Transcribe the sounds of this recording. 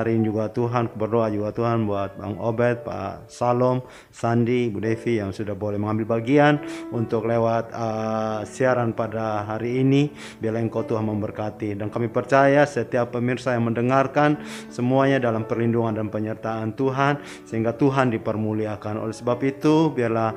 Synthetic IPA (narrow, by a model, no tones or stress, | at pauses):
ɾind͡ʒuɡat̪uɦankbərdoad͡ʒuɡat̪uɦanbuat̪̚ba̰ŋobɛt̪̚pa̰salɔm | sandibudefijaŋsudahbolɛhməŋambɪlbaɡianunt̪ʊk̚lewat̪̚əsiaɾanpadaɦaɾiːni | biarlaiŋkat̪uɦanməmbərkat̪idankamipərt͡ʃajasət̪iapːəmirsajaŋməndəŋarkansəmuaɲadalampərlinduŋandanpəɲərt̪aːnt̪uɦan | səɦiŋɡat̪uɦandipərmuliakano̰lɛhsəbapit̪ubiarla